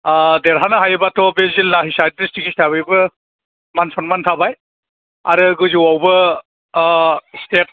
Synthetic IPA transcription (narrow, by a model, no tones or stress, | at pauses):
deɾɦanaɦajɯbatʰɔbezilnaɦisajtɾistiɡistaβijbɯ | mansʰɔnmantʰabaj | aɾɯɡuziwawbɯ | stet̚